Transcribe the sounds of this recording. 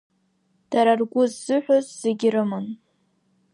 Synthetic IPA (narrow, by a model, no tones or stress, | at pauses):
d̥aɾarɡʷʊzːɨħʷᶣozz̥eɡʲɪrɨmɨn